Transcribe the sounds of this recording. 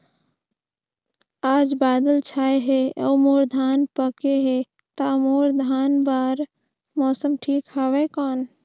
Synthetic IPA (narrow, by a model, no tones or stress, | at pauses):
ad͡ʒbad̪əlt͡ʃʰajɦeə̰moɾd̪ʱanpəkeɦe | t̪amoɾd̪ʱanbaɾ | mɔsəmʈʰikɦəbɛkɔːn